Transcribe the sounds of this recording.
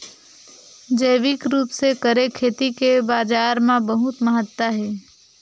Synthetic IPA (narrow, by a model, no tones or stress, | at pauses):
d͡ʒəjʋɪkɾuːpsekəɾekʰeːt̪ikebaːd͡ʒaːɾmãbɐɦʊt̪məɦət̪ːwəɦɛː